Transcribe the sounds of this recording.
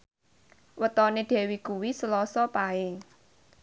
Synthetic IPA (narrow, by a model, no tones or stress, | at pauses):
wət̪ɔneɖ̪̥ɛ̤wikuwisəlɔsɔpae